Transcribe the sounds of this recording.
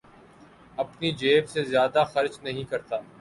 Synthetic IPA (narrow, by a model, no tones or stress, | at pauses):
ɐpnid͡ʒeːbsezjaːd̪axɐɾt͡ʃnɐɦĩkɐɾt̪aː